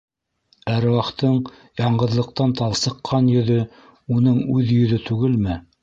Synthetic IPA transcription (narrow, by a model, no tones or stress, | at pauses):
æɾwɑqt̪ɤɴ | jɑɴɢɤ̆ðlˠɤ̆q̚t̪ɑnt̪ɑlˠsɤ̆qʰːɑnjɵ̆ðɵ | unɤɴʉðjɵ̆ðɵt̪ʉɡɘlmɘ